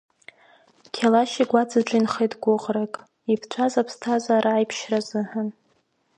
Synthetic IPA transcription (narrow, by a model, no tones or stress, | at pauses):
kʲʰalaʃiɡʷad͡zʰaʈ͡ʂʷʼɪnχejtʼɡʷʊqʼrakʼ | ipʰt͡ʃʷʰazapʰstʰazʷaːɾʔaːjpʰʃrazɨħan